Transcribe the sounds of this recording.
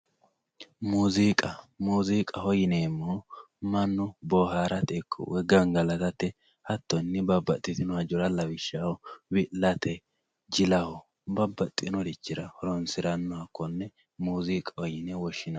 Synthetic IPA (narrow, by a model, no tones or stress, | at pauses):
muːzikʼɐmuːzikʼɐhɔjɪneːmːo | mɐnːʊbɔːɦaːɾɐt̪ɛkʰːɔ̰wɛɡɐŋɡɐlɐt̪ɐt̪ːɛ | hɐt̪ːɔnːɪbɐbːɐt̪ʼːɪt̪ɪnɔhɐd͡ʒɔɾɐlɐwɪʃːahɔbɪlɐt̪ɛ | d͡ʒɪlɐhɔ | bɐbːɐt̪ʼːnɔd̪ɪt͡ʃːɪɾɐhɔɾɔnsɪɾɐnːɔhɐkːɔnːɛ | muːziːkʼɐhɔjɪnɛwɔʃːɪnɐ